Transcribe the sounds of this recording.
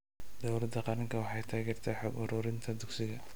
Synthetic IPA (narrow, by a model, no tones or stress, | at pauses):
d̪̥ɔwlɐd̪ɐqɑɾɪŋkʰɐwɑħɑjt̪ʰaːɣɛːrt̪ʰɐħɑbʊɾʊːɾɪnt̪ʰɐd̪ʊksɪɣɐ